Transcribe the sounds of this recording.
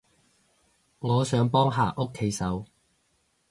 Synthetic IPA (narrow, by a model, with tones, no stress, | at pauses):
ŋɔː˨˧sœː˨˧˥ŋpɔː˥ŋɦa̰ː˨˩ʔo˥kʰːe˨˥jsɐ˨˥w